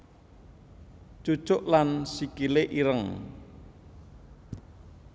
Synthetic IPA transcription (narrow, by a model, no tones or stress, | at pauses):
d͡ʒ̥u̥t͡ʃʊʔlansikileʔiɾəŋ